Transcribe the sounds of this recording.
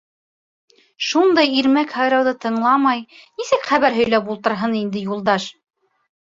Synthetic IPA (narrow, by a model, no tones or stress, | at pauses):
ʃund̪ɑjiɾmækhɑjɾɑwðɤt̪ɤ̆ɴlˠɑmɑjnisɘkχæβæɾɦɵ̆jlæpulˠt̪ɤ̆ɾɦɤnind̪ɘjulˠd̪ɑʃ